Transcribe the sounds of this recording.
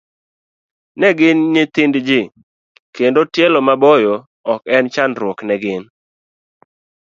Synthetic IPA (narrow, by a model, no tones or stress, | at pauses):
nɛɡɪnːɪt̪ɪndd͡ʒɪ | kendotjɛlɔmabɔjɔ | ɔkɛnt͡ʃanɾwɔknɛɡɪn